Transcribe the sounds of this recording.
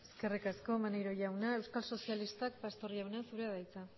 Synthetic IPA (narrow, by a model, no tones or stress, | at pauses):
eeske̞rikasko̞manejɾo̞ʝawnae̞wskalso̞sialist̪ak̚past̪o̞ɾjawneasuɾeaðajt͡sa